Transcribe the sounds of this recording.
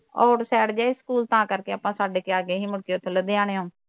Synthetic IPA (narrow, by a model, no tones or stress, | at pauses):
ɔːɾsɛːɽd͡ʒaːeskuːlt̪ãːkəɾkeːaːpãːsaːɖeːkeaːɡeːɦiːmʊɽkeot̪ʰːeːləd̪eːãːɽ̃eːɦõː